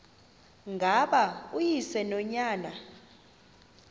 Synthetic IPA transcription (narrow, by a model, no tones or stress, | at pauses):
ŋɡʱaɓaujisɛnɔɲaːna